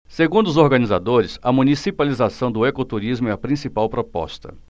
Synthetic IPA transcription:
seɡũnd̪ʊzoɾɡɐniza̰d̪oɾɪsɐmũnisipalizasɐ̃w̃d̪ʊɛkot̪uɾizmʊɛɐpɾĩsipawpɾopɔ̰st̪ɐ̰

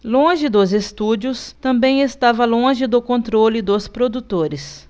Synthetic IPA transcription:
lõʒɪd̪ʊzest̪ud͡ʒʊst̪ɐ̃mbẽj̃est̪avɐlõʒɪd̪ʊkõnt̪ɾolɪd̪ʊspɾod̪ut̪oɾɪs

